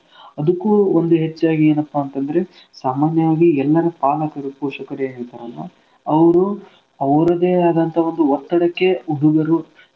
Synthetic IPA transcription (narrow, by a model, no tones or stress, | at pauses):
ɐd̪ukːuond̪uɦet͡ʃːaːɡieːnɐpːaːnt̪ɐnd̪ɐɾe̞ | saːmaːnjɐʋaːɡiɛlːɐɾɐpaːlɐkɐɾupɔːʂɐkɐɾeɦeːɭt̪ɐɾɐlːɐ | ɐʋɐɾu | ɐʋɾɐd̪eːaːd̪ɐnt̪ʰɐo̞nd̪uʋɔt̪ːɐɽɐkːe̞uɦuɡɐɾu